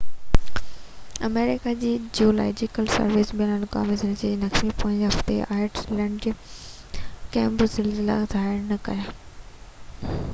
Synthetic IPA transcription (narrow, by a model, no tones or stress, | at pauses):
ɐmeːɾɪkad͡ʑiːd͡ʑiola̰ːɪd͡ʑɪkəlsɐ̰ɾʋɪsbiənənka̰ːmɪzɪnd͡ʑed͡ʑenɐkmipoːɪ̃ɲd͡ʑɦɐft̪ḛaːɪɾʈlɛ̃ːɳɖ | kɛ̃ːmbɾʊzɪlzɪla̰zaːɪɾnɐkɐ̰jaː